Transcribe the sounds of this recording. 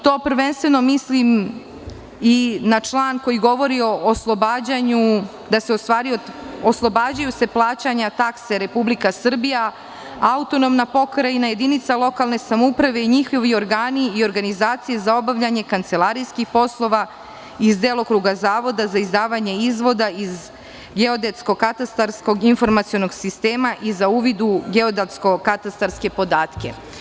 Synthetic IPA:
t̪o̞ːpr̩ʋe̞nst̪ʋe̞no̞mislim | inat͡ʃlˠaːnkojiɡo̞ʋo̞ɾio̞ːslˠobad͡ʑaɲu | d̪aseost̪ʋaːɾiooslˠo̞baːd͡ʑajuse̞plˠaːt͡ɕaɲat̪akse̞ɾe̞publikasr̩bija | aut̪o̞nomnapo̞kɾainaje̞d̪init̪salˠo̞kalˠne̞samoupɾaʋe̞iɲixo̞ʋio̞ɾɡaːniio̞ɾɡanizaːt̪sije̞zao̞baʋʎaɲe̞kant̪se̞lˠaɾijskixpo̞slˠo̞ʋa | izd̪e̞lˠo̞kɾuɡazaːʋo̞d̪azaizd̪aːʋaɲe̞izʋo̞d̪aiz | ɡe̞o̞d̪et̪sko̞kat̪ast̪aɾsko̞ɡinfo̞ɾmat̪sio̞no̞ɡsist̪e̞ːmaʔizauːʋid̪uɡe̞o̞d̪at̪sko̞kat̪ast̪aɾske̞po̞d̪aːt̪ke̞̰

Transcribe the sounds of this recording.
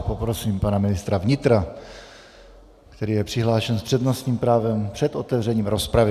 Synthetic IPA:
popɾo̞siːmpanamɪnɪst̪ɾavɲɪt̪ɾa | kt̪ɛɾiːjɛpr̝̥ɪɦlaːʃɛnspr̝̥ɛd̪nosɲiːmpɾaːvɛmpr̥ɛt̪ʔo̞t̪ɛvrɛɲiːmɾo̞spɾavɪ

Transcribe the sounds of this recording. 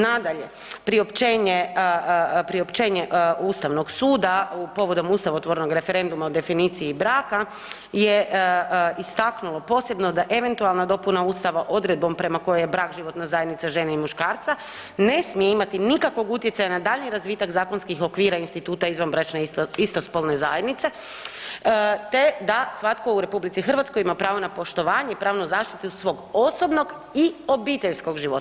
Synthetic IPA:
nad̪aʎe̞ | pɾio̞pt͡ʃeːɲe | pɾio̞pt͡ʃe̞ːɲeʔust̪aʋno̞ɡsuːd̪apo̞ʋo̞d̪o̞muːst̪aʋaot̪ʋoɾno̞ɡɾe̞feɾe̞nd̪umaod̪e̞finiːt̪sijibɾaːka | je̞ | ist̪aknulˠo̞po̞ːse̞bno̞d̪aʔe̞ʋe̞nt̪ualˠnad̪o̞punauːst̪aʋaʔo̞d̪ɾe̞d̪̚bo̞mpɾe̞mako̞jojebɾaːkʒiʋo̞t̪nazajed̪nit̪saʒe̞naimuʃkaːɾt̪sa | ne̞smijeimat̪inikakʋo̞ɡut̪jet̪sajanad̪aːʎɲiɾazʋiːt̪akzaːko̞nskixo̞kʋiːɾainst̪it̪uːt̪aizʋanbɾet͡ʃneist̪ospolnezajed̪nit̪se̞ | t̪e̞d̪asʋat̪kouɾe̞publitsixərʋat̪sko̞jimapɾaːʋo̞napo̞ʃt̪o̞ʋaːɲeipɾaːʋnuzaːʃt̪it̪usʋo̞ːɡo̞so̞bno̞ɡ | io̞biːt̪eʎsko̞ɡʒiʋot̪

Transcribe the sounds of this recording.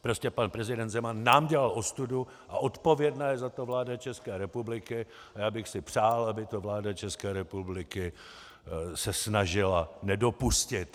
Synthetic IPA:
pɾo̞scɛpanpɾɛzɪdɛnd̪zɛmanːaːmɟɛlalʔo̞st̪udu | ʔaʔo̞t̪po̞vjɛdnaːjɛzat̪o̞vlaːdat͡ʃɛskɛːɾɛpublɪkɪ | ajaːbɪxsɪpr̥aːlʔabɪt̪o̞vlaːdat͡ʃɛskɛːɾɛpublɪkɪ | sɛsnaʒɪlanɛdo̞puscɪt̪

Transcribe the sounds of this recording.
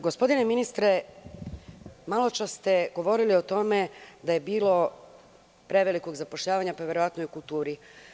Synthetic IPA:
ɡo̞spo̞d̪ineminist̪ɾe | malˠo̞t͡ʃast̪e̞ɡo̞ʋo̞ɾiliot̪o̞me̞d̪aje̞biːlˠo̞ | pɾe̞ʋeliko̞ɡzapoʃʎaːʋaɲapaʋʲje̞ɾo̞ʋat̪nojukulˠt̪uːɾi

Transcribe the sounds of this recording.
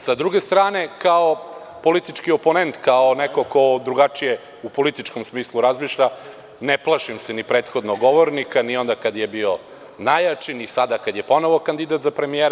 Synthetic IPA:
sad̪ɾuɡest̪ɾaːne̞kao | po̞lit̪it͡ʂkioponent̪kaoneko̞ko̞d̪ɾuɡat͡ʂije | upo̞lit̪it͡ʃkomsmiːslˠuɾazmiʃʎa | neplˠaʃimsenipɾe̞ːt̪xo̞d̪noɡoʋoɾnikanio̞nd̪akad̪jebio | najat͡ʃinisad̪akad̪jepo̞noʋo̞kand̪id̪at̪zapɾe̞mijeːɾ

